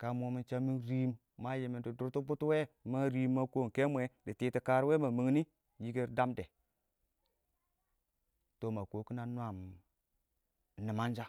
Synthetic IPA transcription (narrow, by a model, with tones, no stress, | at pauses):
ka˨mo˨mi˨nt͡ʃa˦mi˦nɾi˦m | ma˦je˨mi˨ndi˨du˨ɾtu˦bu˦tu˦we˦ma˦ɾi˨˦mːa˦ko˦˨ke˦mʷ˦e˨di˨ti˨ti˨ka˨ɾwe˦ma˨mi˨ŋni˦ | ji˦ɡe˦ɾda˦mde˨ | to˨ma˨ko˨ki˦na˦nʷ˦a˨m˨ | ni˨ma˦nd͡ʒa˦